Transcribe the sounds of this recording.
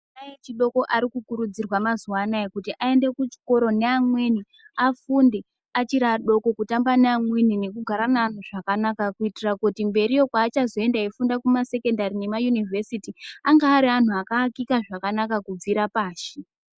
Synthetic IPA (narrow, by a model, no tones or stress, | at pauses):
najet͡ʃiɗo̞ko̞ʔaɾikukuɾud͡zirwamazuwanaekutiʔae̞nde̞kut͡ʃi̥ko̞ɾo̞ne̞amweni | afunde | at͡ʃiɾaɗo̞ko̞kutambaneamwenine̞kuɡʱaɾanaːn̤uʐakanakakuitirakutimbe̞ɾijo̞kwaːt͡ʃazo̞e̞ndaefundakumase̞ke̞ndarine̞majunivʱesitiaŋɡaːɾian̤uakaːkikaʐakanakakub͡viɾapaːʃi